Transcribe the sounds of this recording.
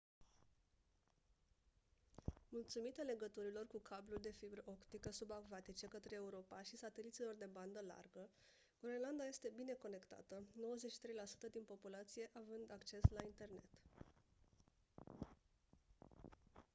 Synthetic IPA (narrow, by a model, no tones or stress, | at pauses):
mult̪sumit̪ale̞ɡət̪uɾilo̞rkukʰablulʲd̪e̞fibɾəʔokt̪ikəsubakvat̪it͡ʃe̞kət̪ɾe̞ːuɾo̞paʃisat̪e̞lit̪silo̞rd̪e̞band̪əla̰rɡə | ɡ̥ɾoenland̪aje̞st̪e̞bine̞ko̞ne̞kt̪a̰t̪əno̞wəzetʃi̥t̪ɾe̞jlasu̥t̪əd̪inpo̞pulat̪sije̞ʔavɨnd̪akt͡ʃe̞slaint̪e̞rne̞t̪